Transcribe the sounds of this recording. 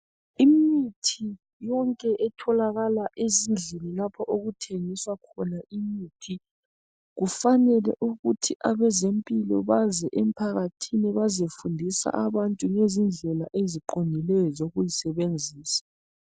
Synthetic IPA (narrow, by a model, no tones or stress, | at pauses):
imitʰi | jɔŋkʼɛʔɛtʰɔlaɣalaʔezind͡ɮʱɛnɛlapʰaʔoɣutʰeŋiswakʰɔnaʔimiːtʰi | ɣufanɛlɛ̰ʔuɣutʰiʔaβɛzempʼilɔ̰βazɛʔem̩pʰaɣatʰinɛβazefundʱisa̰ʔaβantʼuŋezind͡ɮʱɛlaʔeziǃondʱilɛjɔzoɣujisɛβend͡zʱiːsḁ